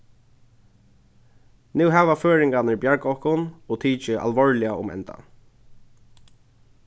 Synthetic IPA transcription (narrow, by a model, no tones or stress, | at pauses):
nuwɦɛːʋaføːɹɪŋkanɪɹbjaɹkɔhkʊnɔːt̪ʰiːt͡ʃɪʔa̰lʋɔɹlɪaʊ̰mɛ̰nt̪a̰